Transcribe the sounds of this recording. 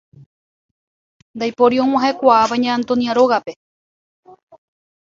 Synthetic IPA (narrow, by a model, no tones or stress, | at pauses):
nd̪ajpo̞ɾiõŋ̃ãɦekʷaːβaɲãːnt̪onjaɾo̞ɣape